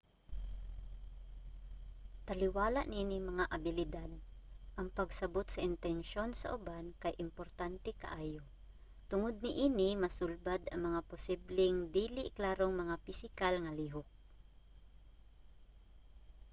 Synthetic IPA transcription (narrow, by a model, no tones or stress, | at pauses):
t̪ɐlɪwaːlaʔnɪʔiːnɪmɐŋaʔɐbɪlɪd̪ad̪̚ʔɐŋpɐɡsɐbot̪sɐʔɪnt̪ɛnʃo̞nsɐ̰ʔʊbankɐjʔɪmpoɾt̪ant̪ɛkɐ̰ʔaːjo | t̪ʊŋʊd̪̚nɪʔiːnɪmɐsʊlbad̪ʔɐŋmɐŋapʊsiblɛŋd̪iːlɪklaːɾoŋmɐŋafɪsɪkalŋɐliːɦok̚